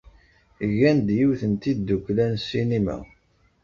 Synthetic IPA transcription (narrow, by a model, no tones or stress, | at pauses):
ʝænd̪jiwθənt̪id̪ːuklænsːinimæ̰